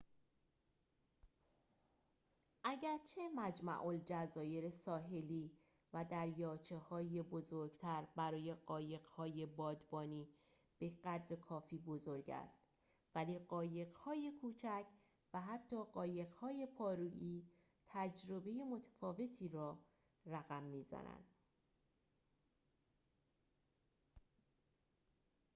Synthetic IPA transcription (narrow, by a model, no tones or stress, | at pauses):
ʔæɟæɾt͡ʃʰe̞mæd͡ʒmæ̰ʔold͡ʒæzɒːje̞ɾesɒːɦe̞liː | væd̪æɾjɒːt͡ʃʰe̞hɒːjebo̞zoɾɡt̪ʰæɾbæɾɒːje̞ɢɒːje̞ɣ̥hɒːje̞bɒːd̪bɒːniː | b̥e̞ɢæd̪ɾekʰɒːfiːbo̞zo̞ɾɟæ̰st̪ | væliːɢɒːje̞ɣhɒːje̞kʰuːt͡ʃʰæcʰ | væɦæt̪ʰːɒːɢɒːje̞ɣhɒːje̞pʰɒːɾuːʔiː | t̪ʰæd͡ʒɾo̞be̞je̞mo̞t̪ʰæ̥fɒːve̞t̪ʰiːɾɒː | ræɣæmːiːzæ̰næ̰nd̪̥